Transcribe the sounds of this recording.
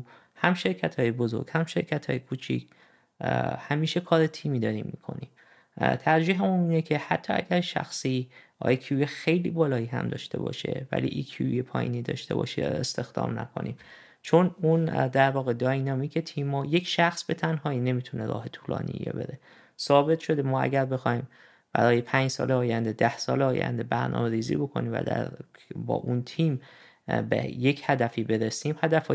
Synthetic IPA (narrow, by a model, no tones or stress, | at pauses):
hæmʃe̞ɾcʰæt̪ʰhɒːjebozo̞̰ɾɡ̥hæmʃe̞ɾcʰæt̪ʰɒːjekʰuːt͡ʃʰḭc | hæmiːʃe̞kʰɒːɾet̪ʰiːmiːd̪ɒːɾiːmːḭkʰo̞̰niːm | t̪ʰæɾd͡ʒiːɦemuniːnecʰe̞hæt̪ʰːɒːæɟæɾʃæ̰xsiːʔɒ̰ːjkʰiujexe̞jliːbɒːlɒːiːɦæ̰md̪ɒːʃt̪e̞̰bɒ̰ːʃe̞̰væ̰lḭːʔikʰiujepʰɒːjḭːniːd̪ɒːʃt̪e̞bɒ̰ːʃeest̪e̞xd̪ɒ̰ːmnæ̰kʰo̞̰nḭːm | t͡ʃʰo̞nund̪æɾvɒːɣe̞d̪ɒːjnɒːmiːcʰe̞t̪ʰiːmːɒːje̞cʰʃæxsbe̞t̪ʰænɦɒːiːne̞miːt̪ʰuneɾɒ̰ːɦet̪ʰuːlɒ̰ːnʔḭḭjḛbe̞ɾe | sɒːbe̞t̪ʰʃo̞d̪emɒːæ̰ɟæɾbe̞xɒːhiːm | b̥æ̰ɾɒːjepʰæːɲd͡ʒsɒ̰ːleɒːjænd̪e̞d̪æhsɒːleɒːjæ̰nd̪e̞bæɾnʔɒ̰ːme̞ɾiːzḭːbo̞kʰo̞niːmvæ̰d̪æ̰ɾ | bɒ̰ːʔunt̪ʰiːm | bḛje̞chæd̪æfiːbe̞ɾesiːmhæd̪æfɒː